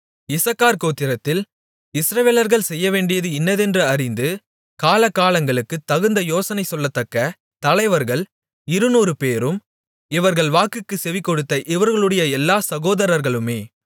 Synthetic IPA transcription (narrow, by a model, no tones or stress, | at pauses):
ɪsɐkːaːɾkoːt̪ːɪɾɐt̪ːɪl | ɪsɾɐʋeːlɐɾɣɐɭsɛjːɐʋeːɳɖɪjɐðɯɪnːɐðɛndrɯɐɾɪnd̪ɯ | kaːlɐkːaːlɐŋɡɐɭɯkːɯt̪ːɐɣɯnd̪ɐjoːsɐnɐɪsɔlːɐt̪ːɐkːɐ | t̪ɐlɐɪʋɐɾɣɐɭ | ɪɾɯnuːɾɯpeːɾɯm | ɪʋɐɾɣɐɭʋaːkɯkːɯsɛʋɪkːɔɽɯt̪ːɐʔɪʋɐɾɣɐɭɯɽɐjɐɛlːaːsɐɣoːðɐɾɐɾɣɐɭɯmeː